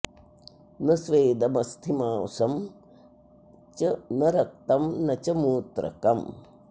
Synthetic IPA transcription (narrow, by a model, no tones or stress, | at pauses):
nɐsʋeːd̪ɐmɐst̪ʰimaːwsɐm | t͡ʃɐnɐɾɐk̚t̪ɐmnɐt͡ʃɐmuːt̪ɾɐ̰kɐm